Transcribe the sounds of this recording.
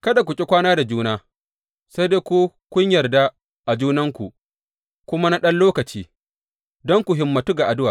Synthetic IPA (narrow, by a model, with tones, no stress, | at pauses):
kɐ˦da˨k̬ʷʊ˨kʲʼɪ˦kʷaː˦naː˦da˨d͡ʒuː˦naː˦ | se˦jdeː˦kʷu˦ | kʷʊ˦ɲjɐ˨rda˦ | ʔa˨d͡ʒuː˦nɐ˦ŋkʷu˨ʔ | kʷʊ˦ma˦na˦ɗɐ˦nloː˦kɐ˨t͡ʃiː˦ | dɔ˦ŋkʷu˨ɦɪ˨mːɐ˨tu˦ɡa˨ʔa˨dʊ˦waː˨